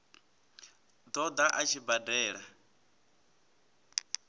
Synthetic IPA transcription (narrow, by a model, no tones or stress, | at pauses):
d̪ɔd̪aʔat͡ʃʰibadɛːɺa